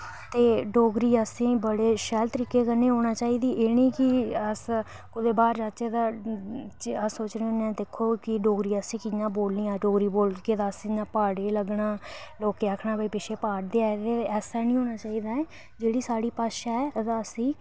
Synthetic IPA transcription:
t̪eːɖoːɡɾiːəsĩːbəɽeːʃɛːlt̪əɾiːkeːkəneːɦoːnaːt͡ʃaːiːd̪iːʔeːnĩːkɪəs | kʊd̪eːbaːɾd͡ʒaːt͡ʃeːt̪aːt͡ʃəsːoːt͡ʃneːoːnɛ̃ːd̪eːkʰːoːkɪɖoːɡɾiːəsĩːkɪɲãːboːlnĩːaːɖoːɡɾiːboːlkeːt̪aːəsɲãːpaːɽeːləɡɳaːloːkeːakʰnaːbiːpɪʃʰeːpaːɽd̪eːaːet̪eːɛːsaːnĩːɦoːnaːt͡ʃaːiːd̪aːɛː | d͡ʒeːɽiːsaːɽiːpaːʃaːɛːt̪aːəsĩː

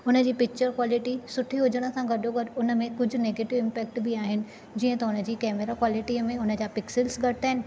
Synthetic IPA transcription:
ʊnə̆d͡ʑiːpɪk̚t͡ɕəɾkwaːlɪʈisʊʈʰiɦʊd͡ʑəɽ̃ə̆sãɡɐɖʱoɡɐɾʊnə̆mẽkʊd͡ʑʱʊ̆neːɡeːʈɪʋɪ̃mpɛːk̚ʈbɪaːɦɪnɪ̆ | d͡ʑiːə̃t̪ɐʊnə̆d͡ʑiːkɛːmeɾakwaːlɪʈiːmẽʊnə̆d͡ʑaːpɪksɪlsɡɐɽɪt̪aːɦɪnɪ̆

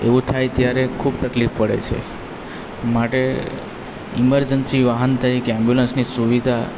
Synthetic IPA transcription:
ḛʋũt̪ʰajt̪jaɾekʰubt̪əklifpəɽḛt͡ʃʰḛ | maʈe | iməɾd͡ʒənsiʋaɦənt̪ʰajikɛ̃mbjulənsnisuʋid̪ʱa

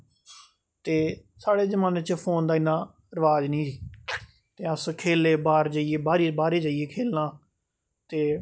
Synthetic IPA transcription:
t̪eː | saːɽeːzəmãːneːt͡ʃpʰoːnd̪aːɪnːãː | ɾəʋaːd͡ʒnĩːsiː | t̪eːəskʰeːleːbaːɾd͡ʒaːieːbaːɾiːbaːɾeːd͡ʒaːieːkʰeːlnãː | t̪eː

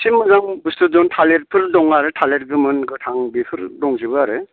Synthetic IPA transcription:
simːɯzaŋbɯstɯzɔntʰaleɾ̚pʰɯɾdɔŋaɾɯtʰaleɾɡɯmɯnɡɯtʰaŋbipʰɯɾdɔŋzibɯaɾɯ

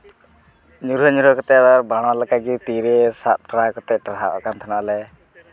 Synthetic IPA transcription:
ɲuɾəɲuɾəkɔt̪ɛd̪aɾbaɽ̃alakaɡit̪iɾesap̪̚ʈɾakɔt̪ɛʈaɾɦaʔɔ̰kant̪ʰanalɛ

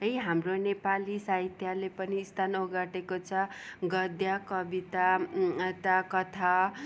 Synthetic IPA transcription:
ʌjɦamronepalisaɦit̪ʰjalepʌniːst̪ʰanoɡaʈekot͡sʰʌɡʌd̪jakʌbit̪at̪akʌt̪ʰa

